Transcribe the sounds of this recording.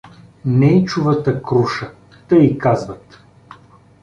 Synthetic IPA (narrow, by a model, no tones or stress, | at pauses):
nɛit͡ʃuvət̪əkɾuʃə | t̪əikazvət̪